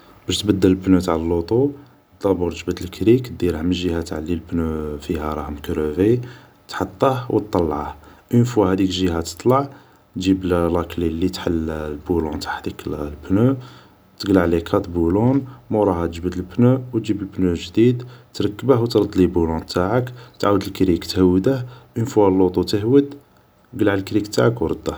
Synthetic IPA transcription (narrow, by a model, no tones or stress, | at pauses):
bæʃt̪bəd̪ːələlbnut̪aʕaləlːot̪ˤu | d̪ɑbuɾt̪əʒbət̪əlkɾik̪̚d̪iɾəhmənʒihæt̪ʕalːilbnufihæɾˤɑhmkɾuvi | t̪ħɑt̪ˤːəhwət̪ˤːɑlːʕahʔənfwæhæd̪ikʒiɦæt̪ə̥t̪ˤlɑʕ | t̪ʒibllɑklilːit̪ħəllbulũnt̪ḁħt̪iklbnu | t̪əɡlaʕlikʰɑt̪bulunmuɾˤɑhæt̪əʒbəd̪əlbnuwt̪ʒibəlbnuʒd̪id̪t̪ɾˤɑkːəbəhwt̪ɾˤd̪ːlibulunt̪aʕəkt̪ʕawəd̪əlkɾikt̪həwːd̪əhʔənfuhælːut̪ˤut̪əhwəd̪ | ɡlʕlkɾikt̪a̰ʕakwɾˤəd̪ːəh